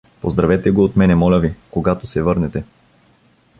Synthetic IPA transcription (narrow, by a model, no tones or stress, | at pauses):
pozd̪ɾɐvɛt̪ɛɡoːt̪mɛnɛmɔlʲəvikoɡat̪osɛvɤɾnɛt̪ɛ